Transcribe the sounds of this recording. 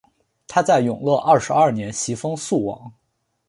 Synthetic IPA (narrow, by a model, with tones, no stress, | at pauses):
t̪ʰa˥t͡sa˥˩ɪjʊ˨˩ŋlwɤ˥˧ʔɐ˥˩ʂɻ̩˧˥ɐ˞˥˩njɛ˧˥nɕi˧˥fɤ˥ŋsu˥˩wɑ̰˨˧˩ŋ